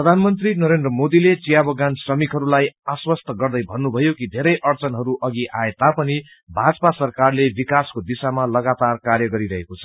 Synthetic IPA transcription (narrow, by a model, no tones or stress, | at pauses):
pprʌd̪ʱanmʌnt̪rinʌɾend̪rʌmod̪ilet͡sijabʌɡansrʌmikɦʌɾulajaswʌst̪ʌɡʌrd̪ʌjbʱʌnːubʱʌjokid̪ʱeɾʌjʔʌrt͡sʌnɦʌɾuʔʌɡiʔaet̪apʌni | bʱad͡zpasʌrkarlebikaskod̪isamalʌɡat̪arkarjʌɡʌɾiɾʌɦekot͡sʰʌ̥